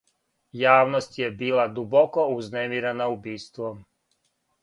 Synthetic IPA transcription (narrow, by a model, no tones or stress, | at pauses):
jaːʋnost̪jebiːlad̪ubokouznemiɾanaubiːst̪ʋom